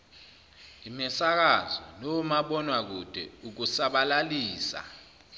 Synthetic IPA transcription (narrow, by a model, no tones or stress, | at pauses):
imɛsak̬azɔnoumaɓɔnwak̬ud̥ʱɛ̰uk̬usaɓalaliːsa̰